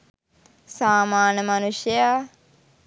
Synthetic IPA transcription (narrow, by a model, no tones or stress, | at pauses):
saːmaːnəmanusjəja